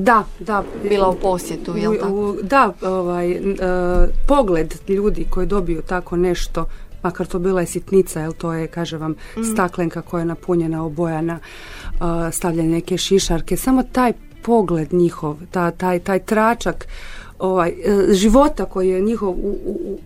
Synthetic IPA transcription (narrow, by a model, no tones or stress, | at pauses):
d̪ad̪abilauposjet̪uod̪aoʋaj | po̞ɡled̪ʎuːd̪iko̞jid̪o̞bijut̪ako̞ne̞ʃt̪o̞makaɾt̪obiːlajesjit̪nit̪sajelt̪o̞ːjekaːʒeʋam | st̪akleŋkako̞jajenapuɲenaobojana | əst̪aʋʎanene̞ke̞ʃiʃaɾkesamo̞t̪aːj | po̞ɡled̪ɲixo̞ʋt̪at̪aːjt̪aːjt̪ɾaːt͡ʃak | oʋajʒiʋo̞t̪ako̞jijeɲixo̞ʋuu